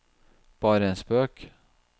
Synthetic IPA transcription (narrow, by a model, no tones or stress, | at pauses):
b̥ɑːɾəɛnsbøːk